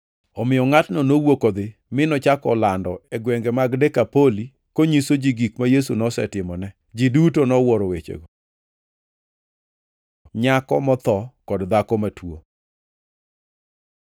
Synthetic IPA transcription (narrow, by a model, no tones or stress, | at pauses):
ɔmɪjɔŋatnɔnowokod̪ɪmɪnɔt͡ʃakɔlandɔɛɡwɛŋɡɛmaɡdɛkapoli | koɲisod͡ʒiɡikmajesunɔsɛ̰tɪmɔnɛ | d͡ʒidutonɔwɔɾowet͡ʃḛɡo | ɲakɔ̰mɔt̪ɔkɔdd̪akɔmatwo̰